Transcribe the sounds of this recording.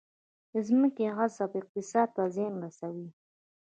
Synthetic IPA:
d̪əzməkeɣasabɪq̚t̪ɪsɑd̪̚t̪azenɾasawi

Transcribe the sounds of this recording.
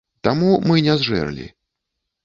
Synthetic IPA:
t̪amumɨnʲɛzʐɛ̰rlʲḭ

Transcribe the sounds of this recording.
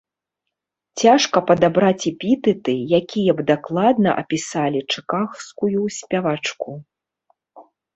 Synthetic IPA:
t͡sʲaʂkɐpɐd̪abɾat͡sʲipʲit̪ɨt̪ɨjakʲijɐbd̪aklˠad̪nɐʔɐ̰pʲisalʲit͡ʂɨkaxskujusʲpʲavat͡ʂku

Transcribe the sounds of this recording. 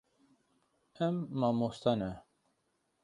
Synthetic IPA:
ɛmːɑmost̪ʰɑnɛ

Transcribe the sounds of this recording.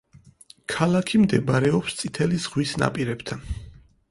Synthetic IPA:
kʰalakʰimd̪ɛbaɾɛɔpst̪sʼit̪ʰɛlizʁwisna̰pʼiɾɛbt̪ʰan

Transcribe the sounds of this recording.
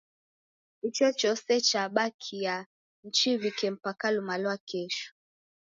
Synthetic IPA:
it͡ʃɔt͡ʃɔsɛt͡ʃaɓakʰija | n̩t͡ʃivikɛm̩pakalumalwakɛʃu̥

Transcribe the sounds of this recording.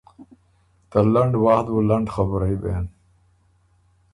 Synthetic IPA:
t̪alɐɳɖwaːhd̪bulɐɳɖxabɾɐibḛn

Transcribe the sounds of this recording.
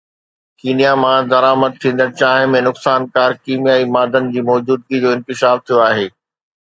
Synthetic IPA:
kiːnijamãd̪ɐɾaːməd̪̚t̪ʰĩːn̆d̪ənɪt͡ɕaːɦɪ̃̆mẽnʊksaːnkaːɾkiːmjaːimaːd̪ənɪ̆d͡ʑiːmɔːd͡ʑuːd̪̚ɡid͡ʑoːɪ̃nkɪʃaːft̪ʰijoaːɦeː

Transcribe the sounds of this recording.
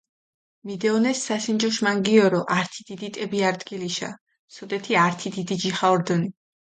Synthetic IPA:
mid̪ɛɔnɛsːasind͡ʒɔʃmaŋɡiɔɾɔʔaɾt̪ʰid̪̥id̪it̪ʼɛbiaɾd̪ɡiliʃa̰ | sɔd̪ɛt̪ʰiaɾt̪ʰid̪id̪id͡ʒiχaɔɾd̪ɔni

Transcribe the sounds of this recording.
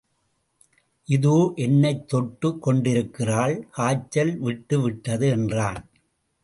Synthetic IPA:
ʔɪðoːʔɛnːɐɪt̪ːɔʈːɯkːɔɳɖɪɾɯkːɪraːɭkaːt͡ʃːɐlʋɪʈːɯʋɪʈːɐðɯɛndraːn

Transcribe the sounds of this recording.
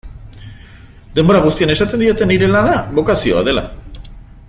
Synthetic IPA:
d̪e̞mbo̞ɾaɣ̞ust̪ianesat̪e̞nd̪io̞t̪e̞niɾe̞lanaβo̞kasio̞a̰ðe̞la̰

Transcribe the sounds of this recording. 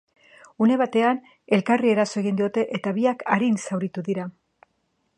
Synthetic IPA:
une̞β̞at̪e̞an | e̞lkarie̞ɾaso̞e̞ɣ̞ind̪io̞t̪e̞ʔet̪aβiakaɾinsawɾit̪uðiɾa

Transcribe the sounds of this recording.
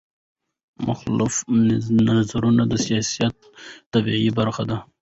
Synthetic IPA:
mʔʊ̰xlʊfnazaɾunad̪əsijɑsijat̪̚ː | abiʕibaɾxad̪a

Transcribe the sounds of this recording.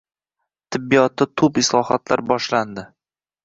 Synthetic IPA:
t̪ʰɪbːijɒt̪ːɪt̪ʰʊpɪslˠɒhɒt̪laɾbɒʃland̪ɪ

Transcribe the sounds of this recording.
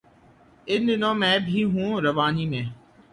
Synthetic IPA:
ɪnɗɪnõmɛ̃ːbʱiːɦũːɾɐʋaːniːmẽː

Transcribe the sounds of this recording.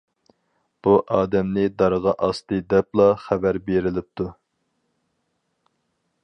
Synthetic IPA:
b̥uʔɑːd̪ɛmnɪd̪ɑɾʁɑʔɑst̪ɨd̪ɛplˠɑχæbæɾbeɾɪlɪp̚t̪ʰu

